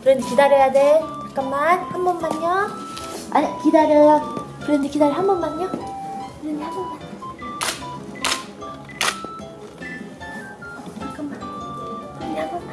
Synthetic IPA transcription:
kɯɾʌndekidaɾjʌjadetak͈ammanhambʌnmaɲɲʌ | a̰ɲikidaɾjʌjʌkɯɾʌndekidaɾjʌɦambʌnmaɲːʌkɯɾʌndehambʌnman | akamman | ɲaɡo

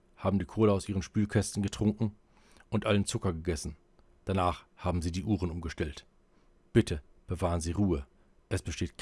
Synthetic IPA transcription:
haːbm̩diːkʰoːləaʊsʔiːʁənʃpyːlkʰɛstn̩ɡətʁ̥ʊŋkŋ̩ | ʔʊntʔalənt͡sʊkɐɡəɡɛsn̩ | d̥anaːχhaːbm̩ziːdiːʔuːʁənʔʊmɡəʃtɛlt | b̥ɪtʰəb̥əvaːʁənziːʁuːə | ʔɛsb̥əʃteːtk

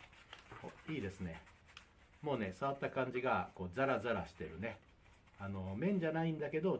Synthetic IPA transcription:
hoiːd̪e̞sɨne̞ | mo̞ːne̞saβat̪ːakãɲ̟d͡ʑiɡako̞ːd͡zaɾazaɾaɕi̥t̪e̞ɾɯ̟̰ne̞ | ano̞mẽ̞ɲ̟d͡ʑanaĩnd̪ake̞d̪o̞

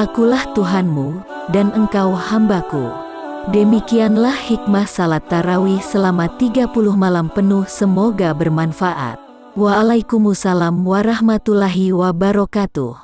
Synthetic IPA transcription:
ʔakulaht̪uɦanmu | danəŋkawhambakṵ | dəmikianlahhik̚mahsalat̪ːaɾawisəlamat̪iɡapuluhmalampənuhsəmoɡabərmanfaʔa̰t̪̚ | waːlaikumusalamwaɾahmat̪ulaɦiwabaɾokat̪u

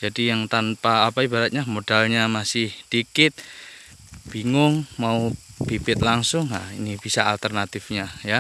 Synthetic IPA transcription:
d͡ʒadijaŋt̪anpaːpaibaɾat̪̚ɲamod̥alɲamasɪhd̥ikɪt̪̚ | b̥iŋʊŋmaub̥ibɪt̪laŋsʊŋa̰inib̥isaalt̪ərnat̪ɪfɲaja

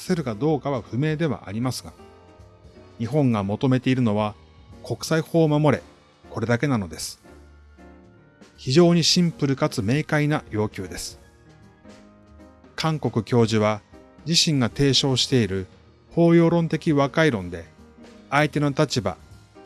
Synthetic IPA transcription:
seɾɯ̟ɡad̪o̞ːkaβaɸɯ̟me̞ːd̪e̞βa̰ʔa̰ɾʲimasɨɡa̰ | ɲ̟iɦõ̞ŋɡamo̞t̪ome̞t̪e̞iɾɯ̟no̞βa | ko̞kɯ̥saiho̞ːmamo̞ɾe̞̰ | ko̞ɾe̞d̪ake̞nano̞d̪e̞sɨ̥ | çiʑo̞ːɲ̟iɕĩmpɯ̟ɾɯ̟kat͡sɨme̞ːkainajo̞ːkʲɨːd̪e̞sɨ̥ | kʰãŋko̞kɯ̟kʲo̞ːʑiβa | d͡ʑiɕĩŋɡat̪e̞ːɕo̞ːɕi̥t̪e̞iɾɯ̟ | ho̞ːjo̞ːɾõ̞nt̪e̞kʲiβakaiɾõ̞nd̪e̞ait̪e̞no̞t̪at͡ɕiba̰

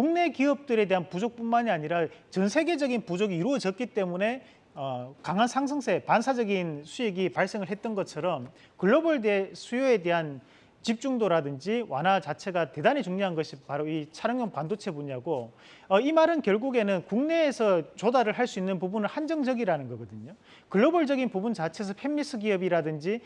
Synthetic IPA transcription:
kuŋne̞kiʌp̚t͈ɯɾe̞de̞ɦanpud͡ʑok̚p͈unmaɲiaɲiɾat͡ɕʌnsʰe̞ɡe̞d͡ʑʌɡinpud͡ʑoɡiːɾuʌd͡ʑʌt̚k͈it͈e̞mune̞ | ʌkaŋɦansʰaŋs̬ʰʌŋsʰepansʰad͡ʑʌɡinsʰujiɡipaɭs͈eŋɯɭɦe̞t̚t͈ʌnɡʌt͡ɕʰʌɾʌm | kɯɭːobɯɭdesʰujoede̞ɦan | t͡ɕip̚t͡ɕ͈uŋdoɾadɯnd͡ʑiwʔa̰nɦat͡ɕat͡ɕʰe̞ɡate̞daɲit͡ɕuŋɲoɦanɡʌɕʰipaɾoit͡ɕʰaɾʌŋjoŋpandot͡ɕʰe̞buɲiaɡo | ʌimaɾɯnkjʌɭɡuɡe̞nɯnkuŋne̞ːsʰʌt͡ɕodaɾɯɭɦaɭs͈uinːɯnpubunɯɭhand͡ʑʌŋd͡ʑʌɡiɾanɯnɡʌɡʌdɯɲo | kɯɭːoboɭd͡ʑʌɡinpubunt͡ɕat͡ɕʰe̞s̬ʰʌpʰemːis͈ʰɯɡiʌbiɾadɯnd͡ʑi

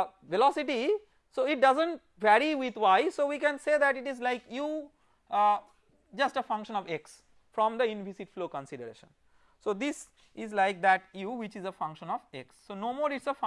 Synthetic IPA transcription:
ʋɛlɔsiʈi | soːɪʈ̚ɖʌzə̃ɳʈ | mɛɾiʋɪd̪waɪsoːʋiːkɛ̃nseːd̪æʈɪʈizlaɪkju | d͡ʒʌsʈəfʌ̃ŋkʃə̃nɔʋeks | fɾɔ̃md̪əɪ̃nfisiʈfloːkə̃nsiɖəɾḛːʃə̰̃n | soːd̪ɪs | ɪzlaɪk̚d̪æʈjuːwɪt͡ʃizəfʌ̃ŋkʃə̃nɔʋeksːoːnoːmoːɾɪʈsəf

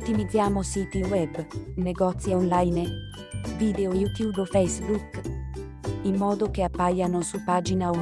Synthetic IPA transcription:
t̪ːimid̪zːjaːmosiːt̪iwɛbneɡɔt̪sjaɔnlajn | viːd̪eojut̪jubofɛjsbuk | imːɔːd̪okeapːajanosupad͡ʒinau

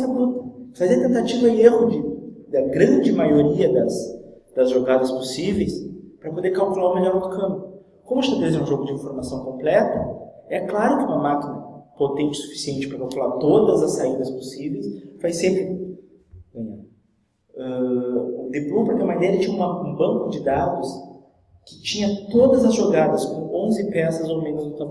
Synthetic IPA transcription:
sɐbɾut̪ɐfazeɐt̪ẽnt̪at͡ʃivɐɪeɦʊd͡ʒɪd̪ɐɡɾɐ̃d͡ʒɪmajoɾiɐd̪ɐs | d̪ɐzʒoɡad̪ɐsposivejspɾɐpod̪eɾkawkulaɾʊmelɔɾat̪ʊkɐ̃m | kõmʊɪst̪ɐbelezeɾũʒoɡʊd͡ʒɪĩfoɾmasɐ̃w̃kõmplɛt̪ʊɛklaɾʊkɪũmɐmakinɐpot̪ẽnt͡ʃɪ̥su̥fi̥siẽnt͡ʃɪ̥pɾɐkawkulaɾt̪od̪ɐzɐsːaid̪ɐsposivejsfajsẽmpɾɪ | ɡɐ̃ɲã | ɛʊd̪eplupɾɐk̪ɐmad̪eɾɐt͡ʃĩɲɐ̃ũmɐ̃bɐ̃ŋkʊd͡ʒɪd̪ad̪ʊs | kɪ̥t͡ʃĩɲɐt̪od̪ɐzɐzʒoɡad̪ɐskõõzɪpɛsɐzowmẽnʊznʊt̪a

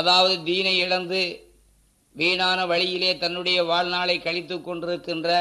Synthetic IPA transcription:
ɐðaːʋɐðɯd̪iːnɐɪɪɻɐnd̪ɯ | ʋeːɳaːnɐʋɐɭɪjɪleːt̪ɐnːɯɽɐjɐʋaːɻnaːɭɐɪkːɐɻɪt̪ːɯkːɔɳɖɪɾɯkːɪndrɐ

